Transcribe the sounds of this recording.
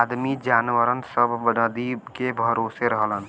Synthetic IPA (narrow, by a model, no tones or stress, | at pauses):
d̪mid͡ʒaːnʋəɾənsəbʱnəd̪ikebʱəɾoːseɾəɦlɦən